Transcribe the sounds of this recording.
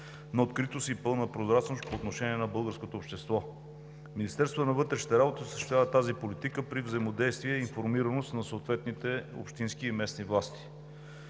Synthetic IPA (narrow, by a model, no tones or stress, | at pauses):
nɐot̪kɾit̪osiːpɤlˠnəpɾozɾat͡ʃnost̪̚poːt̪noʃɛniɛnɐbɤlˠɡəɾskot̪oːpʃt̪ɛst̪vɔ | minist̪ɛɾst̪vot̪nɐvɤt̪ɾɛʃi̥t̪ɛɾabot̪isə̥ʃt̪vʲavət̪azipolit̪ikəpɾivzəjmod̪ɛjst̪viɛiːnfoɾmiɾənost̪nɐsoːt̪vɛt̪nit̪ɛo̰pʃt̪insk̟iːmɛsnivlˠast̪i̥